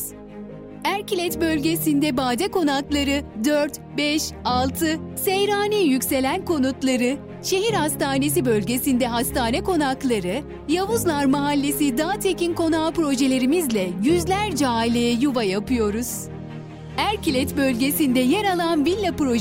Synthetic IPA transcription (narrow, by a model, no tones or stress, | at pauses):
æɾcilʲɛt̪bø̞lʲɟe̞sind̪ɛbaːd̪ɛko̞naklˠaɾɯd̪øɾt̪bɛʃalˠt̪ʰɯsejɾaːnɛjycʲse̞lʲænko̞nut̪lˠaɾɯ | ʃe̞ɦiɾhast̪aːne̞s̬ibø̞lʲɟʲe̞sind̪ɛɦast̪aːnɛko̞naklˠaɾɯ | javuzlˠaɾmaɦalʲːesid̪aːt̪ʰe̞cinko̞naːpɾo̞ʒe̞lʲe̞ɾimizlʲɛjyzlʲæɾd͡ʒaːilʲejɛjuvajapʰɯjo̞ɾuz̥ | æɾcilʲɛt̪bø̞lʲɟesind̪ɛjɛɾalˠanvilʲːapɾo̞